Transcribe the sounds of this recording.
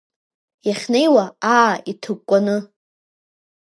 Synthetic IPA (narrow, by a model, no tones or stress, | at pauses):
jaχʲne̞jwaaːitʰɨk̚kʷʼanɨ